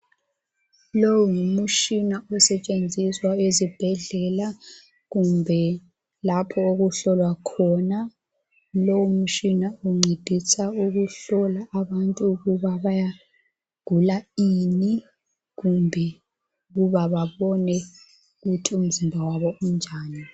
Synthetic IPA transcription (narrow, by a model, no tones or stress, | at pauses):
lowuŋumut͡ʃinaɔsɛt͡ʃʼend͡zʱiswaezib̥ʱɛɮɛla | ɣumbʱɛ | lapʰɔoɣuɬɔlwakʰɔna | lowumut͡ʃinauŋ͡ǀʱed̥ʱisauɣuɬɔlaʔːβantʼuɣuβaβaja | ɡ̥ʱulaini | ɣumbʱɛ | ɣuβaβaβɔnɛ | ɣutʰium̩zimbʱawaβɔund͡ʒʱaːni